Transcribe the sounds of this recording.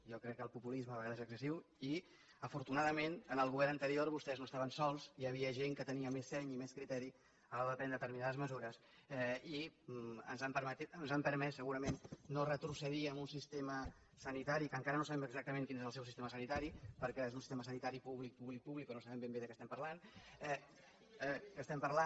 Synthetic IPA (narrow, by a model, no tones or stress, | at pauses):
jɔkɾɛkːəlˠpupulizməːβəɣaðəzəksəsiw | i | əfuɾt̪unaðəmenənəlˠɣuβɛɾnənt̪əɾioɾβust̪ɛznoəst̪aβənsɔlˠziəβ̞iəʒeŋkət̪əniəmesːɛɲimɛskɾit̪ɛɾi | əlaɾəðəp̪ɛnət̪əɾminaðəzməzuɾəs | ɛiə̰nzampəɾmət̪it̪ənzampəɾmɛsːəɣuɾəmenːorət̪ɾusəðiəmunsist̪emə | sənit̪aɾikəŋkaɾənosaβɛməɡzak̚t̪əmẽŋkinezəlˠsɛwsist̪eməsənit̪aɾipəɾkɛezunsist̪eməsənit̪aɾipuβlik̚puβlik̚puβlikonosəβɛmbembeðəkɛst̪ɛmpəɾlanɛ | əst̪ɛmpəɾla